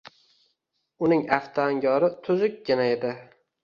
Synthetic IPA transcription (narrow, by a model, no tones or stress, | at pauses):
ʊnɪŋaft̪ʰaːŋɡʲɒɾɪt̪ʰʊzʊk̚ʲɡʲanaed̪ɪ